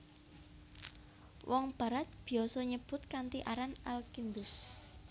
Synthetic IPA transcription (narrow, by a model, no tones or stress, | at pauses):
wʔɔŋb̥a̤ɾat̪̚b̥i̤ɔsɔɲəb̥ʊ̤t̪̚kant̪iʔaɾanalkind̪ʊs